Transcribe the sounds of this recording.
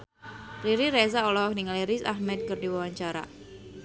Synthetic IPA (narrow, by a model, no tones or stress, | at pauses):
riɾiɾezaɔlɔak̚niŋaleɾisa̰hmɛt̪̚kɨrdiwawaɲt͡ʃaɾa̰